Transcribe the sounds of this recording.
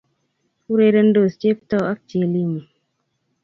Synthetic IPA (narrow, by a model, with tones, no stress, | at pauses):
fu˦ɾe˦də˦n̩˦do˨st͡ʃe˦ptɔ˦˨a˦k̚t͡ʃe˨li˦mi˨